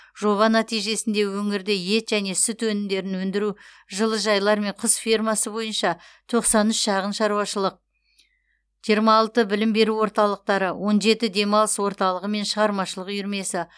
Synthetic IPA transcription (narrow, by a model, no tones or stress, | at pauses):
ʒ̥o̞ʁɑnæt̪ijʒe̞sɪnd̪e̞wɵŋɪɾd̪eje̞t̪ʒæne̞sʏt̪wɵnɪmd̪e̞ɾɪnwɵnd̪ɪɾu | ʒəlˠəʒɑjlˠɑɾme̞ɴqʰəsfʲirmɑsəbo̞jənʃɑt̪ʰo̞qsɑnʏʃʃɑʁənʃɑɾuwɑʃəlˠəq̚ | ʒ̥ijɾmɑːlˠt̪əbɪlɪmbe̞ɾuwo̞ɾt̪ɑlˠəq̚t̪ɑɾəwʔo̞nʒe̞t̪ɪd̪e̞mɑlˠəswo̞ɾt̪ɑlˠəʁəme̞nʃəʁɑɾmɑʃəlˠəqjʏɾme̞sɪ